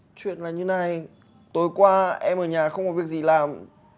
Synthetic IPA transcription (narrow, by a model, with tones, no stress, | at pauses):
t͡ɕwḭ˧˨ənlaː˨˩ɲɨ˧na˨˩j | t̪o˨˦jkwaː˧ʔɛ˧mʔəː˧˩ɲaː˨˩xə˧wŋ͡mkɔ˨˩vi˨˩ək̚zi˨˩laː˨˩m